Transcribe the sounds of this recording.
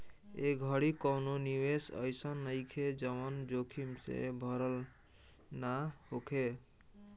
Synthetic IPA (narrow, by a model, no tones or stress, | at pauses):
eɡʱəɽikɔwnoniwesə̰jsənːəjkʰed͡ʒəwənd͡ʒokʰimsḛbʱəɾəl | naɦokʰe